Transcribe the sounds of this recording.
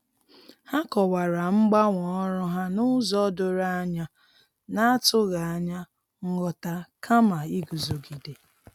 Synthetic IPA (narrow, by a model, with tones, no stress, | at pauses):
ha˦kɔ˨wa˨ɾa˨ŋ͡m̩˦ɡ͡ba˦ŋʷɔ˨ɔ˦ɾʊ˦ɦa˦nʊ˦zɔ˦dʊ˨ɾa˦a˦ɲa˦ | na˦a˦tʊ˦ɣa˨a˨ɲa˦ | ŋ̩˦ɡɔ˨ta˦kʰa˦ma˨i˦ɡu˨zo˨ɡi˨de˨